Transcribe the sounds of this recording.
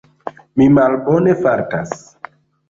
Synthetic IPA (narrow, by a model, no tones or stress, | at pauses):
mimalbonefaɾtas